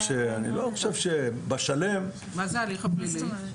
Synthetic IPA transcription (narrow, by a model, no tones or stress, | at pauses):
ʃeanḭlo̞χoʃevʃebaʃalem | mazaliχapnimi